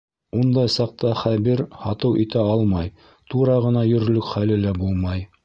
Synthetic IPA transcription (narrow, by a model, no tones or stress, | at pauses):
und̪ɑjsɑq̚t̪ɑχæβiɾhɑt̪ɤwʔit̪æɑlˠmɑj | t̪uɾɑʁɤ̆nɑjɵ̆ɾlɵkχælɘlæbulˠmɑj